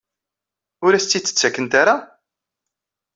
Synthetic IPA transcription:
ʊɾæst͡sːit͡sːə̥t͡sːækːənt̪aɾa

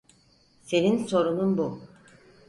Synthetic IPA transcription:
se̞ninso̞ɾununbu

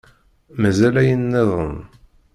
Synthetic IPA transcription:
mæzælæjənːeðˤən

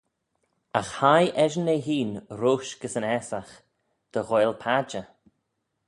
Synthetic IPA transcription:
axhajʔɛʒəneɦiːnɾoːʃɡ̥əsənɛsax | d̪̥əɣojlpʰad͡ʒə

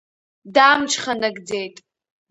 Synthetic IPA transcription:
damt͡ʃʰʼχanaɡd͡zejtʼ

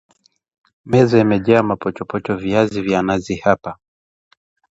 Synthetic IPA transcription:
mɛzɔimɛʄaamapɔt͡ʃɔpɔt͡ʃɔviazivjanazihapa

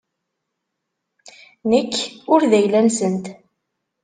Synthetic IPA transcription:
nəkːʊɾðæjlænsənt̪

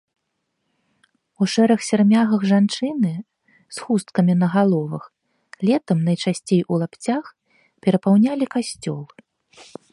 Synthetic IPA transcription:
uʂɛɾɐxsʲarmʲaɣɐɣʐant͡ʂɨnɨ | sxust̪kɐmʲinɐɣalˠɔvɐx | lʲɛt̪ɐmnɐjt͡ʂasʲt͡sʲejulˠapt͡sʲax | pʲɛɾɐpawnʲalʲikasʲt͡sʲɔ̰lˠɨ

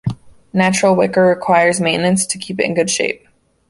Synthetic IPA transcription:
næt͡ʃɹ̥l̩ˠwɪkə˞ɹɪkʰw̥aɪə˞zmẽɪ̃ʔnɨ̃nstʰɨkʰipɨɾɨ̰̃n̩ɡʊd̥ʃḛɪp̚

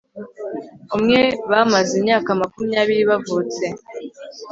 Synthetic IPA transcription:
umŋe̞βamazimɲaːkamakumiɲaːβiɾiβavuːt͡se̞

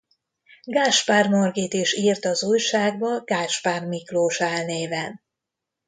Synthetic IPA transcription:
ɡaːʃpaːrmorɡit̪iʃiːrt̪ɒzuːjʃaːɡ̚bɒɡ̥aːʃpaːrmikloːʃaːlneːvɛn

